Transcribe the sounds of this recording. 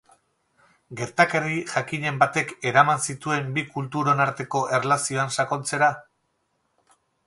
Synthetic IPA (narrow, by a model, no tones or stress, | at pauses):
ɡe̞ɾt̪akeriʝakiɲe̞mbat̪e̞ke̞ɾamansit̪ue̞mbikult̪uɾo̞naɾt̪e̞ko̞ʔe̞relasio̞ansako̞lt͡se̞ɾa